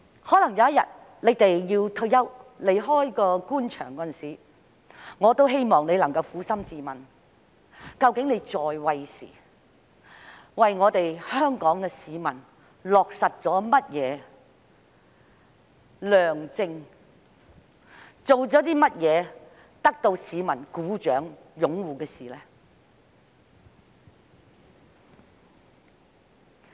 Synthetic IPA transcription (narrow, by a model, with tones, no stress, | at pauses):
hɔː˨˥lɐ˨˩ŋjɐ˨˧wjɐ˥t̚jɐ̰˨t̚ | le˨˧jt̪e˨jjiː˧wt̪ʰɵ˧ɥjɐ˥wle˨˩jɦɔː˥jkɔː˧kuː˥nt͡ʃʰœ̰ː˨˩ŋkɔː˧˥ɐ˥˨nsiː˨˦ | ŋɔː˨˧t̪o˥wɦe˥jmɔː˨ŋne˨˧jlɐ˨˩ŋkɐ˧wfuː˨˥sɐ˥mt͡siː˨mɐ˨n | kɐ˧wkɪ˨˥ŋne˨˧jt͡sɔː˨jwɐ˨jsḭː˨˩ | wɐ˨jŋɔː˨˧t̪e˨jhœː˥ŋkɔː˨˥ŋkɛː˧siː˨˧mɐ˨n | lɔː˨k̚sɐ˨t̚t͡sɔː˨˥mɐ˥t̚jɛː˨˧ | lœː˨˩ŋt͡sɪ˧ŋ | t͡so˨wt͡sɔː˨˥t̪iː˥mɐ˥t̚jɛː˨˧ | t̪ɐ˥k̚t̪o˧wsiː˨˧mɐ˨˩nkuː˨˥t͡ʃœː˨˥ŋjʊ˨˥ŋwuː˨kɛː˧siː˨˩lɛː˥